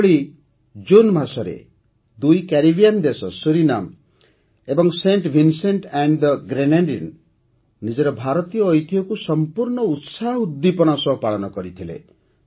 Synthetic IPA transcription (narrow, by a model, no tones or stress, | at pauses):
ɭi | d͡ʒunbʱasɔɾḛ | d̪ujkaɾibijand̪esɔsuɾina̰m | ebɔŋseɳʈbʱinseɳʈeɳɖd̪ɡɾenaɳɖinː | id͡ʒɔɾɔbʱaɾɔt̪ijɔːjt̪ʰiɔkusɔmpuɾɳɔut̪saud̪ːipɔnɔsɔɦpaɭɔnɔkɔɾit̪ʰilḛ